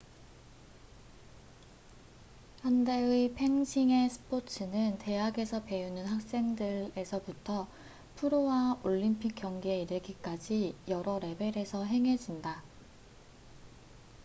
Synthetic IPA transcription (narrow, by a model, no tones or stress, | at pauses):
hande̞ɯipʰe̞ŋɕʰiŋe̞sʰɯ̥pʰot͡ɕʰɯnɯnte̞aɡe̞sʰʌpe̞unɯnɦak̚s͈e̞ŋdɯɾe̞sʰʌputʰʌ | pʰuɾowaoʎːimpʰik͈̚jʌŋɡieiɾɯɭɡik͈ad͡ʑijʌɾʌɾe̞be̞ɾe̞sʰʌɦe̞ŋɦe̞d͡ʑinda